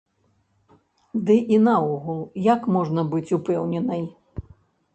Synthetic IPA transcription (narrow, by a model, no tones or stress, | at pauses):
d̪ɨʔinauɣulˠjakmɔʐnɐbɨt͡sʲupɛwnʲɛnɐj